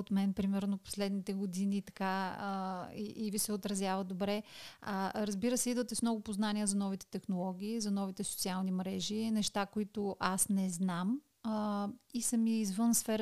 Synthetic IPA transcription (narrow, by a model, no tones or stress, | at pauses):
ot̪mɛnpɾimɛɾnopo̥slɛd̪nit̪ɛɡod̪iniːt̪ɐ̥kaəḭʔivisɛot̪ɾɐzʲjavəd̪obɾɛəɾɐzbiɾəsɛid̪vət̪ɛsmnɔɡʊpoznaniəzɐnɔvit̪ɛ̥t̪ɛxnolˠɔɡ̟ʲiːzɐnɔvit̪ɛso̥tsialˠnimɾɛʒinɛʃt̪akoit̪ʊʔasnɛznam | isəmiizvɤnsfɛɾ